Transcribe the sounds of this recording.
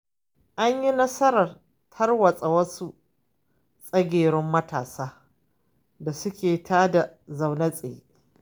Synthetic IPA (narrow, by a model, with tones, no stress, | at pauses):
ʔa˦ɲji˦nɐ˦sɐ˦ɾɐ˨r | tʰɐ˦rwɐ˨sʼɐ˨wɐ˦su˦ | sʼɐ˦ɡʲeː˨ɽɪ˦mːɐ˦taː˨saː˦ | da˨sʊ˦kʲeː˨tʰaː˦da˨za˨wnɐ˦sʼḛː˨˦